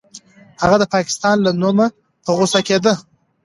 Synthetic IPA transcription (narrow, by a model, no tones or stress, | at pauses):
haɣad̪əpɑkɪ̥st̪ɑnlanoma | pəɣosaked̪ə